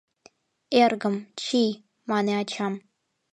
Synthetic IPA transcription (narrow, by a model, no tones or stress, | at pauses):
erɡɨmt͡ʃʰi | maneat͡ʃʰam